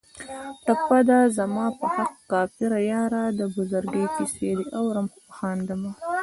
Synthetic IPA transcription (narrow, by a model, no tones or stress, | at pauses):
ʈapːad̪azamɑːpəhaqːɑfɪɾajɑɾad̪əbʊzaɾɡəjt̪iseliʔawɾamxʊpaxɑːnd̪ama